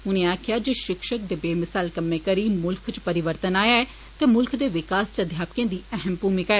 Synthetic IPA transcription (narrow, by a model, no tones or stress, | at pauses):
ʊnẽːaːkʰɪjaːd͡ʒeːʃɪkʃək̚d̪eːbeːmɪsaːlkəmːẽːkəɾiːmʊlkʰt͡ʃpəɾɪʋəɾt̪ənaːjaːɛː | t̪eːmʊlkʰd̪eːʋɪkaːst͡ʃəd̪ʱjaːpkẽːd̪iːɛɦəmpuːmɪkaːɛː